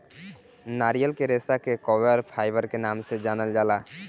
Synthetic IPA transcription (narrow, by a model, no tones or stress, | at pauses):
naɾijəlkeɾesakekɔbəɾpʰajbəɾkenamsed͡ʒanəld͡ʒala